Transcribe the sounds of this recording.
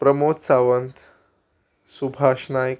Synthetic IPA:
pɾəmot̪saʋənt̪ʰ | subʱaːʂnaj

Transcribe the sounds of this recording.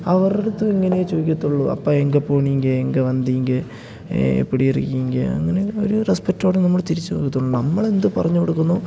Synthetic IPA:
ɐʋɐreɽut̪ːɨiŋːɐnejet͡ɕoːikʲːut̪ːuɭːuɐ̰pːoːeŋɡɐpːoːɳiŋɡɐeŋɡɐʋɐnd̪iŋɡɨ | ḛpːiɽijirḭkːiŋɡɐɐ̰ŋːɐne̞o̰ɾurespek̚ʈoːɽenɐmːɐɭt̪iɾit͡ɕːɨpo̰ːkut̪ːuɭːunɐmːɐɭe̞nd̪ɨpɐrɐɲːukoɽukːunːu

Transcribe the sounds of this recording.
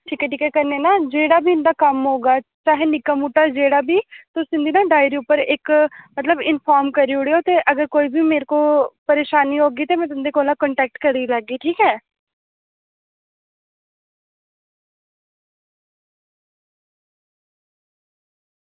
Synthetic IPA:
ʈʰiːkɛːʈiːkɛːkəɾneːnaːd͡ʒeːɽaːbʱiːɪnd̪aːkəmɦoːɡaːt͡ʃaːɦeːnɪkəmuʈːaːd͡ʒeːɽaːbʱiːt̪ʊsɪ̃nd̪iːnãːɖaːɪɾiːʊpːəɾɪkmət̪ləbɪnpʰaːɾmkəɾiːʊɽiːoːt̪eːʔəɡəɾkoːiːbʱiːmeːɾkoːpəɾeːʃaːniːɦoːɡiːt̪eːmɛ̃ːt̪ʊnd̪eːkoːlãːkəɳʈɛːk̚ʈkəɾiːlaːɡiːʈʰiːkɛː

